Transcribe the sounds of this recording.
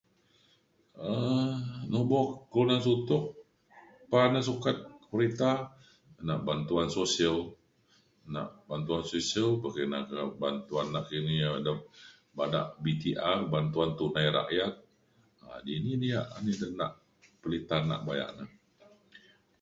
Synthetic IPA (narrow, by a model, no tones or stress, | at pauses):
ə | nobɔkəlunansut̪ʊʔ | panasukat̪̚pəɾit̪a | naʔbant̪uansosiəl | na̰ʔbant̪uansosiəlpakəna̰kabant̪uanːaʔkiniadəm | bana̰ʔbit̪iʔarbant̪uant̪unajɾa̰ʔjat̪̚ | adininijaʔanidəna̰ʔ | pəlit̪ana̰ʔbaja̰ʔnə